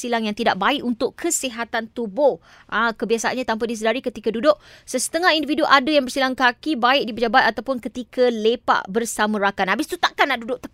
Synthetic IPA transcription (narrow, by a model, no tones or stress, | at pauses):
silaŋjaŋt̪idaʔ̚baɪʔunt̪ʊʔkʰəsiɦat̪ant̪ubʊh | ʔakəbiasaanɲat̪amp̬aʔdis̬ədaɾikət̪ikadudʊʔsəsə̥t̪əŋaɦindividuʔadəjaŋbərsilaŋkakibaɪʔ̚dipəd͡ʒabat̪̚at̪awpʊnkət̪ikʰəlepa̰ʔbərsamə̃ɾakanɦabɪst̪ut̪aʔkanːaʔdudʊʔ̚t̪ək